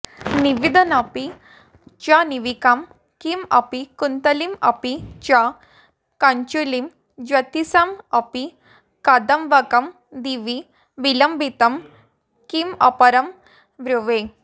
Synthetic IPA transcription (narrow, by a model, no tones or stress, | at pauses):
niʋid̪ʱɐnɐpi | t͡ʃaniʋikam | kimɐ̰pikunt̪ɐlimɐ̰pit͡ʃa | kɐɲt͡ʃulim | d͡ʒʋɐt̪isamɐpi | kad̪ɐmʋɐkɐm | d̪iʋi | ʋilɐmbʱit̪ɐm | kimɐ̰pɐɾɐm | ʋɾuʋe